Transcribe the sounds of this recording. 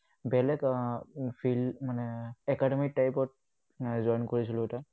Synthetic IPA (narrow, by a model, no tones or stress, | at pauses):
bɛlɛk | pʰilmanɛɛkadɛmik̚tajpɔt̚ | zɔjnkoɹisilʊɛta